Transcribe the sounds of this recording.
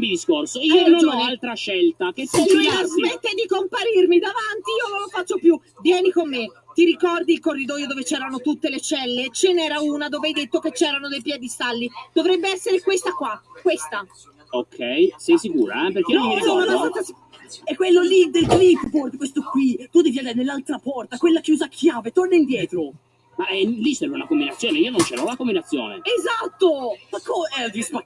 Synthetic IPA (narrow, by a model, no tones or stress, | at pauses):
mid̪iskorsoiond͡ʒaalt̪ɾaʃɛlt̪ak̟et̪ːiiaszmet̪ːejd̪ikompaɾirmid̪avant̪iiːololofat͡ʃːopju | vjɛːnikomːet̪iɾikɔrd̪iːlkorːid̪ɔːjod̪oːvet͡ʃɛːɾanot̪ut̪ːelet͡ʃɛlːet͡ʃenɛːɾauːnad̪oːveajd̪et̪ːoket͡ʃːɛːɾanod̪ejpjɛd̪ist̪alːid̪̥ovɾɛbːeɛsːeɾekwest̪akwakwest̪a | okʰːɛjsɛjsikuːɾa̰ɛperk̟eomːiaɔt̪ːas | ɛkːwelːolid̪elɡ̪litbord̪kwest̪okwit̪ud̪ɛːviand̪aɾenelːalt̪ɾapɔrt̪akwelːakjuːzakʰjaːvet̪ornaind̪jɛːt̪ɾo | maɛlisɛɾunakombinat̪sːjoːneiːonont͡ʃɛːɾaulakombinat̪sːjo̰ːnḛezat̪ːomakːod͡ʒisp